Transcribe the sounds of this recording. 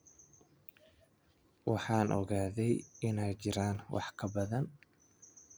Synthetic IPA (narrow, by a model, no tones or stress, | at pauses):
wɑħɑːnʔɔ̰ɣaːðɛjɪnɛjt͡ʃɪɾaːnwʔɑ̰ħkʰɐbɐðɐn